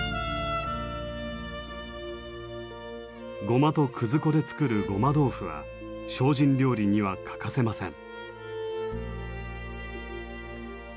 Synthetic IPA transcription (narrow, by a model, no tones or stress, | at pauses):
ɡo̞mat̪o̞kʰɯ̟zɨko̞d̪e̞t͡sɨ̥kɯ̟ɾɯ̟ɡo̞mad̪o̞ːɸɯ̟βa̰ | ɕo̞ːʑĩnɾʲo̞ːɾʲiɲ̟iβakʰḁkase̞masẽ̞̰ŋ